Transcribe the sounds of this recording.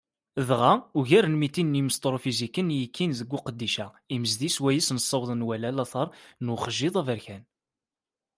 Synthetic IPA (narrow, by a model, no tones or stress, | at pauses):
ðʁauʝæɾənmit̪ːinːiməst̪ˤɾˤofizikːənjəkːinðəɡʷːuqəd̪ːiʃæ | iməzd̪iswæjisnəsˤːɑwðˤənwælælɑθɑɾˤnuχəʒːɪðˤævəɾçæn